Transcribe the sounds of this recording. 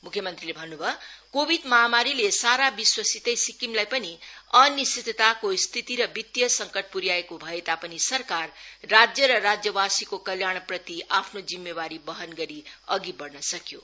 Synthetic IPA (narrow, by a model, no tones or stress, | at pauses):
mukʰjʌmʌnt̪rilebʱʌnːubʱʌkobʱid̪mʌɦamaɾilesaɾabiswʌsit̪ejsikimlajpʌniʌnist̪it̪t̪akost̪ʰit̪iɾʌbit̪jʌsʌŋkʌʈ̚ʰpuɾjaekobʱʌet̪apʌnisʌrkarːad͡zjʌɾʌrad͡zjʌwasikokʌljaɳ̃prʌt̪iapʰnod͡zimːebaɾibʌɦʌnɡʌɾiʌɡibʌrnʌsʌkjo